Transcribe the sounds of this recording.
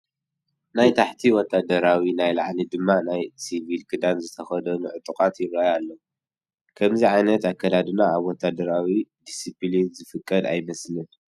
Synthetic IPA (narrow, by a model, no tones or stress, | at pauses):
najt̪ʰaħt̪ʰiwɔt̪ʰːad̪ɐɾawinajlaʕlid̪ɨmːanajsivilkʰɨd̪anzɨt̪ʰɐxɐd̪ɐnuʕʊt̪ʼukʼat̪jɪβɾajalːo | kʰɐmziʕajnɐt̪akʰːɐd̪ad̪ɨnaaβwɔt̪ʰːad̪ɐɾawid̪isiplinzɨfɨkʼːɐd̪a̰jmɐslɨn